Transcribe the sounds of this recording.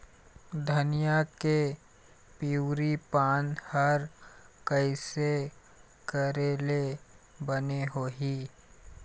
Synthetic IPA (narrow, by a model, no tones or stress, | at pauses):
d̪ʱɐnijake | piɾipaːnhəɾkəɪse | kəɾeːlebəneɦoːɦiː